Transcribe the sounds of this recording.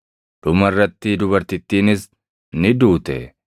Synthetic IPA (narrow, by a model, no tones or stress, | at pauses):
d̪̥ʊmɐrːɐt̪ːɪd̪ʊbɐɾt̪ɪt̪ːiːnɪs | nɪd̪uːt̪ɛ̰